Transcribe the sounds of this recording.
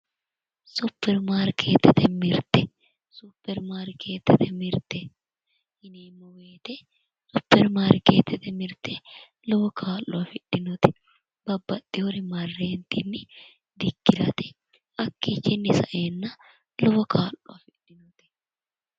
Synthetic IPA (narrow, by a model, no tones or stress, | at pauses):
sʊpːɛɾmaːɾkʰeːt̪ːɛt̪ɛmɪɾt̪ɛ | sʊpːɛɾmaːɾkʰe̞ːt̪ːɛt̪ɛmɪɾt̪ɛ | hɪnemːɔweːt̪ɛ | sʊpːɛɾmaːɾkeːt̪ːɛt̪ɛmɪɾt̪ɛ | lɔbɔkʰaːlːɔɐfɪᶑɪnʊt̪ɪ̥ | b̥ɐbːɐt̪ʼːɪwɔɾɪmɐrːeːnt̪ɪnːɪ | d̪ɪkːɪɾɐ̰t̪ɛ̥ | ɐkːit͡ʃːɛnːɪsɐʔeːnːɐ | lɔbɐkʰaːlːɔɐfɪᶑɪnʊt̪ɪ̥